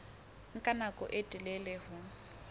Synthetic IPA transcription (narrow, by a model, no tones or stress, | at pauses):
ŋ̩kʼanakʼɔ̰ʔɪtʼɪlɛlehʊ